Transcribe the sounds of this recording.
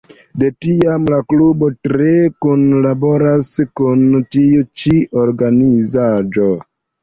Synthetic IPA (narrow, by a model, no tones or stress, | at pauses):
de̞tiamlaklubo̞tɾekunlaboɾaskuntiut͡ʃiʔoɾɡanizad͡ʒo